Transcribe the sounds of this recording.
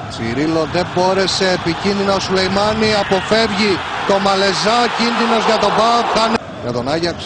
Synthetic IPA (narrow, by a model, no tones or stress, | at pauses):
t͡sḭɾilo̞ðe̞bo̞ɾe̞se̞ːpicinðinɐosulejmɐniɐpo̞fe̞vʝit̪o̞mɐle̞zɐcinðino̞zʝɐt̪o̞bɐokkɐn | ʝɐt̪o̞nɐʝɐks